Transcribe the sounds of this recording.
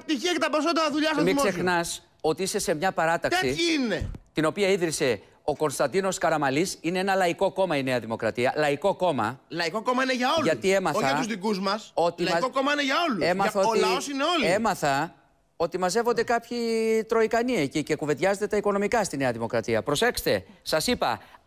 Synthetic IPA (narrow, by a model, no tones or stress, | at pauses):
ɐp̚t̪içiɐkɐt̪ɐps̬ond̪ɐðuʎɐsɐmimsse̞xnɐs | o̞t̪iise̞se̞mɲɐpɐɾɐt̪ɐksiinet̪ino̞piɐiðɾise̞ | o̞ko̞nst̪ɐnd̪ino̞skɐɾɐmɐlisine̞e̞nɐlɐiko̞ko̞mɐine̞ɐðimo̞kɾɐt̪iɐlɐiko̞ko̞mɐ̰lɐikokomɐineʝɐolʝɐt̪ie̞mɐoθɐɐuzðikuzmɐso̞t̪iɐokomɐineʝɐo̞lue̞mɐθɐoolɐosineo̞liemɐθɐ | o̞t̪imɐze̞vo̞nd̪e̞kɐpçit̪ɾo̞ikɐniecice̞kuve̞t̪ʝɐzent̪d̪e̞t̪ɐiko̞no̞mikɐst̪ine̞ɐðimo̞kɾɐt̪iɐpɾo̞se̞kst̪e̞sɐsipɐ̰